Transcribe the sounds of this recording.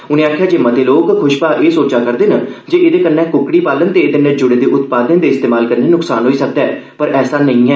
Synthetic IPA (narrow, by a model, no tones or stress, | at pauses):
ʊnẽːaːkʰjaːd͡ʒeːməd̪eːloːkkʰʊʃpaːʔeːsoːt͡ʃaːkəɾd̪eːnad͡ʒeːʔɪd̪eːkənːɛ̃ːkʊkɽiːpaːlənt̪eːd̪enẽd͡ʒʊɽeːd̪eːʔʊt̪paːd̪nẽːd̪eːɪst̪eːmaːlkənːẽːnʊksaːnɦoːiːsək̚d̪aɛːpəɾɛːsaːnəĩːɦɛː